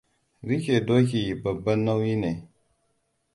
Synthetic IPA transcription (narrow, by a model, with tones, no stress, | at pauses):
ɾi˦ke˨do˦ki˨ba˨ba˦nːa˦wji˦ne˨